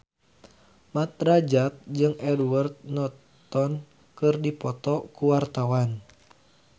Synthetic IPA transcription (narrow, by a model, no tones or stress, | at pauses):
mat̪̚rad͡ʒat̪̚d͡ʒɨŋʔɛdwart̪̚nɔt̪ɔn | kɨrdipɔt̪ɔkuwart̪awan